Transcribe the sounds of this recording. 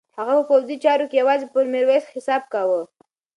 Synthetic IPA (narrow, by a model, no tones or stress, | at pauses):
haɣapəpawzit͡ʃɑɾokejawɑzepəɾmeɾwesxɪsɑb̚kawə